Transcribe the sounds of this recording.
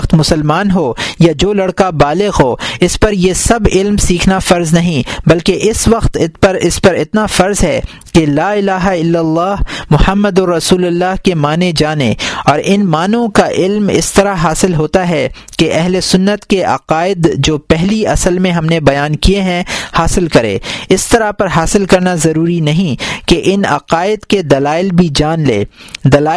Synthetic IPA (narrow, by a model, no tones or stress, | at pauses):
t̪mʊsəlmaːnɦoːjad͡ʒoːlɐɽkabaːlɪɣɦoːɪspɐɾjesɐbɪlmsiːkʰnafɐɾznɐɦĩbɐlkeʔɪsʋɐqt̪ɪtpɐɾɪspɐɾɪt̪nafɐɾzɦɛ̰ | kelaːɪlaːɦaɪlːɐlːaːɦmʊhəmːəd̪ɔɾɐsuːlʊlːaːɦkemaːned͡ʒaːnḛɔːɾʔɪnmaːnõkaʔɪlmɪ̰st̪ɐɾaɦaːsɪlɦoːt̪aɦɛ | keʔɛɦlesʊnːət̪keʔɐ̰qaːɪd̪d͡ʒoːpɛɦliɐsəlmẽɦɐmnebɐjaːnkieɦɛ̃haːsɪlkɐɾḛːɪst̪ɐɾapɐɾɦaːsɪlkɐɾnazɐɾuːɾinɐɦĩkeʔɪnɐ̰qaːɪd̪ked̪ɐlaːɪlbʱid͡ʒaːnlḛːd̪ɐlaː